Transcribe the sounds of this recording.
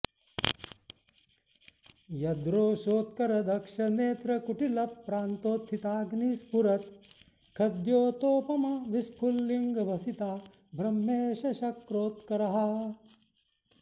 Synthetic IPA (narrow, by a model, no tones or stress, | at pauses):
jɐd̪ɾoːʃoːt̪̚kɐɾɐd̪ʱɐkʂɐneːt̪ɾɐkuʈilɐpːɾaːnt̪oːt̪ʰit̪aːɡniːspuɾɐt̪̚ | kʰɐd̪joːt̪oːpɐmɐʋispʰulːiŋɡɐbʱɐsit̪aː | bɾɐmːeːʃɐʃɐkɾoːt̪kɐɾɐɦɐ̆